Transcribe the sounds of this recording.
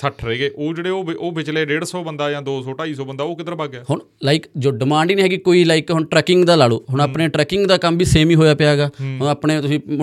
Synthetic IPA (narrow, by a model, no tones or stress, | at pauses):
səʈʰɾəeːɡeːʔoːd͡ʒeːɽeːoːʔoːbɪt͡ʃleːɾeːɽsɔːbənd̪aːjãːd̪oːsɔːʈaːiːsɔːbənd̪aːoːkɪd̪əɾbaːɡɛːhʊɳ | laːɪkd͡ʒoːɖɪmãːɳɖiːnĩːɦɛːkɪkoːiːlaːikɦʊɳʈɾɛːkɪŋɡd̪aːlaːloːɦʊɳaːpneːʈɾɛːkɪŋɡd̪aːkəmbiːseːmiːɦoːjaːpɪjaːɡaːɦʊnaːpneːt̪ʊsĩː